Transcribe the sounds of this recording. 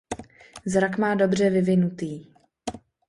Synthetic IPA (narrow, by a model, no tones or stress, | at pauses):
zɾakmaːdo̞br̝ɛvɪvɪnut̪iː